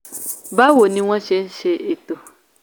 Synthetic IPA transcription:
ba˦wo˨nĩ˧˦w̃ɔ̃˦ʃe˧n̩˦ʃe˧e˨to˨

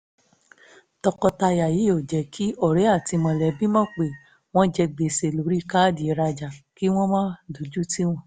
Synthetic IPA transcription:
tɔ˧kɔ˧ta˧ja˨ji˨˦o˨d͡ʒɛ˨kʰi˦ɔ˦˨ɾe˨˦a˦˨ti˧mɔ̃˧lɛ˨bi˦mɔ̃˦k͡pe˨ | w̃ɔ̃˦d͡ʒɛ˧ɡ͡be˨se˨lo˨˦ɾi˦ka˦di˨ɾa˧d͡ʒa˨ki˦w̃ɔ̃˦mãː˦du˨˦d͡ʒu˦ti˦w̃ɔ̃˦˨

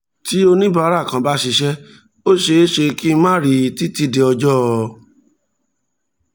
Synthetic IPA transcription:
ti˦o˧nĩ˦ba˧˦ɾa˦˨kã˧ba˦ʃi˧ʃɛ˦ | o˦ʃe˧˦ʃe˧ki˦˧˦mã˦˨ɾi˨ti˦ti˧de˧ɔ˧d͡ʒɔ˦˧

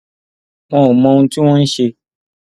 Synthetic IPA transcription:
mɔ̃˧˨o˨mɔ̃˧nũ˧ti˦w̃ɔ̃˦n̩˦ʃe˧

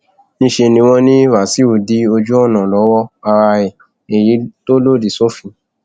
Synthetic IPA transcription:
nĩ˧˦ʃe˧nĩ˧w̃ɔ̃˦nĩ˦wa˨si˨˦o˨di˨˦o˧d͡ʒu˦ɔ˦˨nã˨lɔ˨˦wɔ˦a˧ɾa˧ɛ˨ | e˨ji˨˦to˦lo˦˨di˨so˦fĩ˧

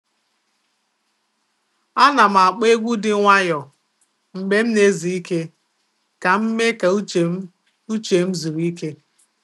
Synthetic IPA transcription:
a˦na˨m̩˨a˨k͡pe˦ɡʷu˦dɪ˦ŋʷa˦jɔ˨ | m̩˨be˦m̩˦ne˦zi˨i˦ke˦ | ka˨m̩˦me˦ka˨˦t͡ʃe˨m̩˦ | u˦t͡ʃe˨m̩˦zu˨ɾi˦ke˦

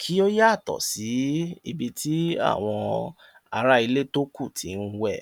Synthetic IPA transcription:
kʰi˦o˦ja˦a˦˨tɔ̰˨si˨˦i˧bi˧tʰi˦a̰˦˨w̃ɔ̃˧ | a˧ɾa˦i˧le˦to˦ku˦˨tʰi˨˦˧n̩˦wɛ˦˨

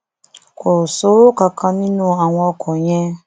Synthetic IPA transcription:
kʰʊ˨sʊ˦ka˨kʰa˨nĩ˦nũ˦˨a˨ŋʷ˦ɔ˦kʰɔ˨ɲɛ̃˦

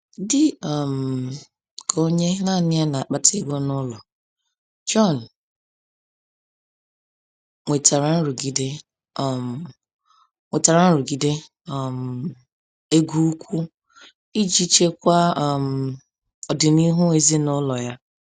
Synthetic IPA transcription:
dɪ˦ɔ˦˨m̩˨ | kʰo˦ɲe˦la˦˨nɪ˦ja˦na˨a˨k͡pa˦tʰe˦ɡo˦nʊ˦lɔ˨ | d͡ʒɔ˦˨n̩˨ | ŋʷe˨ta˨ɾa˨n̩˦ɾʊ˨ɡi˨de˦˨ | m˨ | ŋʷe˨ta˨ɾa˦n̩˦ɾʊ˨ɡi˨de˦˨ | m̩˨ | e˦ɡʷu˦u˦kʷu˦ | i˦d͡ʒi˦t͡ʃe˦kʷa˦˨m̩˨ | ɔ˨dɪ˨ni˦ɦu˦e˨zi˦nʊ˦lɔ˨ja˦

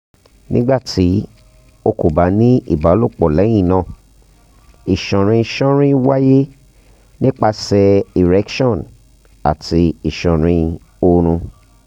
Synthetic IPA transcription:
nĩ˦ɡ͡ba˦˨tʰi˨˦ | o˧ko˨ba˨˦nĩ˦ḭ˦˨ba˨˦lo˦˨k͡pɔ˨lɛ˨˦j̃ĩ˦˨nãː˦˨ | i˨ʃɔ̃˨ɾ̃ĩ˧ʃɔ̃˦ɾ̃ĩ˦wa˦je˦ | nĩ˦k͡pa˧sɛ˧i˨ɾɛ˨˧kʃɔ̃˦˨n | a̰˨tʰi˧i˨ʃɔ̃˨ɾ̃ĩ˧ | o˧ɾ̃ũ˧

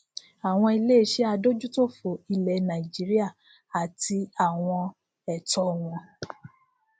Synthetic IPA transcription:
a˨w̃ɔ̃˧i˧leː˦˨ʃe˦a˧do˦d͡ʒu˦to˦fo˨i˧lɛ˨nã˨i˨d͡ʒi˨˦ɾi˦a˦˨ | a˨ti˧a˨w̃ɔ̃˧ | ɛ˨tɔ˧w̃ɔ̃˧

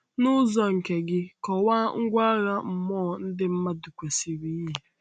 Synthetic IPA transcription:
nʊ˦zɔ˨ŋ̩˨ke˨ɡɪ˦kɔ˨wa˦ŋ̩˦ɡʷa˦ɣa˦m̩˨mɔː˦˨n̩˦dɪ˦m̩˦ma˦du˨kʷe˨si˨ɾi˦ɦe˨

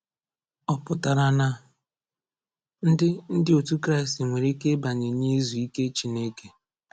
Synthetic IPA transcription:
ɔ˦pʊ˨ta˨ɾa˨na˨ | n̩˦dɪ˦n̩˦dɪ˦o˨tu˦kɾa˦ɪ˨stɪ˨ŋʷe˨ɾi˦ke˦ba˨ɲe˨ɲi˦zu˨i˦ke˦t͡ʃi˨ne˦ke˦

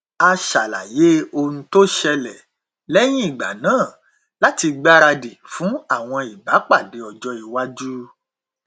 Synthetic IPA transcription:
a˧ʃa˨la̰˨je˦o˧ñ̩˧˦to˦ʃɛ˧lɛ˨ | lɛ˦j̃ĩ˦i˦˨ɡ͡ba̰˨nãː˦˨ | la˨˦ti˧ɡ͡ba˦ɾa˧di˨fũ˨˦a˦˨w̃ɔ̃˧i˨ba˨˦k͡pa˦˨de˨˦ɔ˧d͡ʒɔ˧i˨wa˦d͡ʒu˦

